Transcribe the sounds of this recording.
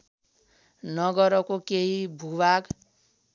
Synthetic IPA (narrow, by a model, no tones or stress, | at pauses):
nʌɡʌɾʌkokeɦibʱubaɡ